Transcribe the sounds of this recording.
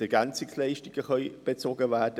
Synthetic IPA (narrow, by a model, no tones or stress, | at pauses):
ɛɡɛnt͡sɪkslɛɪʃtɪɡ̥əχœʏb̥et͡soːɡəvɛːd̥ə